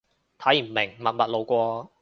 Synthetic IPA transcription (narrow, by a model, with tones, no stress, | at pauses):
t̪ʰɐ˨˥ji˨˩m̩˨˩mɪ˨˩ŋmɐ˨t̚mɐ˨t̚lo˨˧wkʷɔː˧